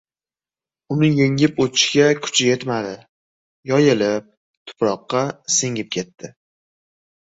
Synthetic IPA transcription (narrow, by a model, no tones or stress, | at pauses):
ʊnɪjeŋɪpot̪ʰɪʃɡʲakʰʊ̥t͡ʃʰɪjet̪mad̪ɪ | jɒjɪlɪp̚ | t̪ʰʊ̥pɾɒqːɑsɪŋʲɪp̚kʲʰe̞t̪ʰːɪ